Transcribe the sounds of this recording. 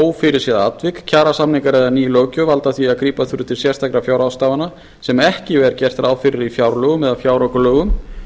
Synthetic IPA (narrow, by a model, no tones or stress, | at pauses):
oːwfɪɾɪɾ̥sjɛðat̪vɪkcʰaːɾasamnɪŋkaɾɛðaniːloːcʏvalt̪aθviaðkɾiːpaθʏɾʏt̪ʰɪlsjɛst̪ʰakɾafjawɾawst̪aːvana | sɛmɛhcɪvɛɾcɛr̥t̪ɾaːwfɪɾɪɾifjawɾlœːɣʏmɛðafjaːwɾɔkʏlœːɣʏm